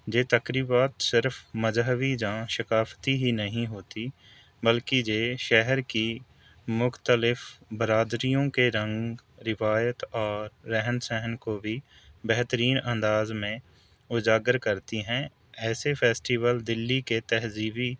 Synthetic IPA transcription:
d͡ʒeːt̪ɐkɾiːbaːt̪sɪɾfməzɦəʋid͡ʒãʃɪkaːft̪iɦinɐɦĩɦoːt̪i | bəlkid͡ʒeːʃɛɦəɾki | mʊxt̪əlɪfbəɾaːd̪ɾijõkeɾɐ̃ŋɡɾɪʋaːjət̪ɔːɾːɛɦənsɛɦənkobʱi | bɛɦt̪əɾiːnɐ̃nd̪aːzmẽ | ʊd͡ʒaːɡəɾkɐɾt̪iɦɛ̃ | ɛːsepʰeːsʈiːʋəld̪ɪlːiket̪ɛɦziːbi

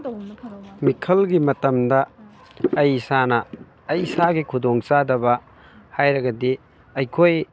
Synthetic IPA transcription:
mikʰɐlɡimɐtɐmdɐː | jsanɐː | jsaɡikʰudoŋt͡ʃadɐβɐ | hajɾɐɡɐdi | ɐjkʰoj

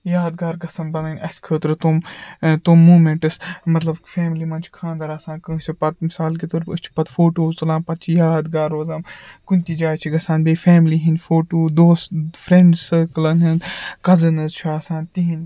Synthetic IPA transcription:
jaːd̪ɡaːɾɡɐsɐmbɐnɐnʲɐsʲkʰəːt̪ɾɨt̪oːmt̪oːmːuːmeɳʈɨsmɐt̪lɐbfeːmlimɐnt͡ʃʰkʰãːnd̪ɐɾɐsãːkɨ̃ːt͡ʃʰipɐt̪̚misaːlkit̪oɾɨst͡ʃʰi̥pɐt̪foːʈoːzt̪ɐlãːmpɐt̪̚t͡ʃʰijaːd̪ɡaːɾoːzɐːmkunʲt̪id͡ʒaːt͡ʃʰiɡɐsãːnbeːfɛːmliɦinfoːʈoːd̪oːsfɾẽɳɖsəːkɨlɐnɦɨnkɐzɐnɨzt͡ʃʰiɐːsãːnt̪iɦĩn

